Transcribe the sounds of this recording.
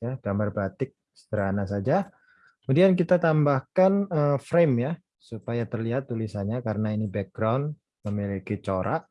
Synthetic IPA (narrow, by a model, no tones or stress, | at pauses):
aɡ̥ambarbat̪ɪk̚ | sə̥d̪əɾanasad͡ʒa | kəmudiank̬it̪at̪ambahkanəfɾemja | supajat̪ərliɦat̪ːulisaɲakaɾənainibɛk̚ɡɾawn | məmilikit͡ʃoɾʔa̰ʔ